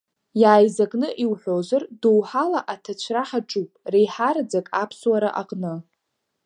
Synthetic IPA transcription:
jaːjzakʼnɨʔiwħʷozardowħalaʔatʰat͡ɕʷʰraħaʈ͡ʂʼupʼrejħaɾad͡zakʼapʰswaɾaʔaqʼnɨ

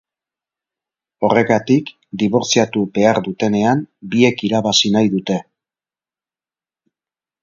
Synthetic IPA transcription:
o̞re̞ɣat̪ik | d̪iβo̞ɾt͡siat̪ube̞aɾðut̪e̞ne̞ambie̞kiɾaβasinajðut̪e̞

